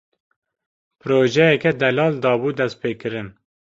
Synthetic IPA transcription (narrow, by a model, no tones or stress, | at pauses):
pʰɨɾoːʒɛjɛkɛd̪ɛlɑːld̪ɑːbuːd̪ɛst̪̚peːkɨɾɨn